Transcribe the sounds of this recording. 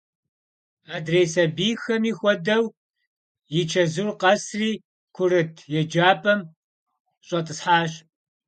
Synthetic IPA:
aːdrejsɐbiːxɐmiːxʷɔdɐw | jɪt͡ʃʰɐzɨrqɐsriː | kʷʰʊɾɨtʰjɛd͡ʒaːpʰʼɐm | ɕʼɐtʼɨsħaːɕ

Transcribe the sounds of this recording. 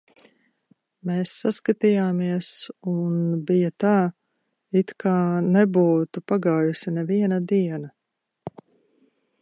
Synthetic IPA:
meːsːaskat̪ijaːmiɛsunbijat̪aː | it̪kʰaːnɛbuːt̪upaɡaːjusinɛviɛnɐd̪iɛnɐ

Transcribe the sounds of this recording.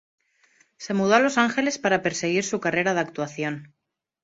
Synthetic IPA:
se̞muð̞oalo̞saŋxe̞le̞spaɾape̞ɾse̞ɣ̞iɾsukare̞ɾaðak̚t̪uaθjo̞n

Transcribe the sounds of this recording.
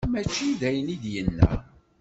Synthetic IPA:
mæt͡ʃːiðæjənid̪jənːæ̰

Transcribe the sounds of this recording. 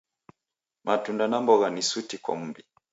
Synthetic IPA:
mʔatundanambɔɣanisutikwa̰m̩bi

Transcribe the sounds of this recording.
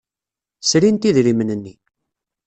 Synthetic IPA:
sɾint̪iðɾimənənːi

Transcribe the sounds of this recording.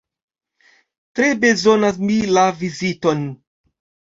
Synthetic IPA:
tɾebezo̞nas̬milavizito̞n

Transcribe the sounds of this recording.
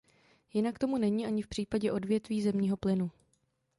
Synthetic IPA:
jɪnakt̪o̞munɛɲiːʔaɲɪfpr̝̥iːpaɟɛʔo̞dvjɛt̪viːzɛmɲiːɦo̞plɪnu

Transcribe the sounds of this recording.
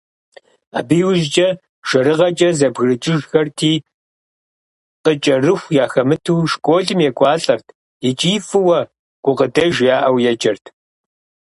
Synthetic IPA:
a̰ːbiːwʊʒt͡ʃʼɐ | ʒ̥ɐɾɨʁɐt͡ʃʼɐzɐbɣrɨt͡ʃʼɪʒxɐrtʰiː | qʼət͡ʃʼɐrɨxʷjaːxɐmɨtʰuːʃkʷʼoːɮɨmjɛkʷʼɑːɬʼɐrtʰ | ɛt͡ʃʼiːfɨwɐ | ɡ̥ʷʼʊqədɐʒjaːʔɐwjɛt͡ʃʼɐrtʰ

